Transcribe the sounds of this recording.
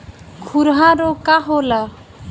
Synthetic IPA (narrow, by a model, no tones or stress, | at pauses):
kʰuɾɦaɾokaɦola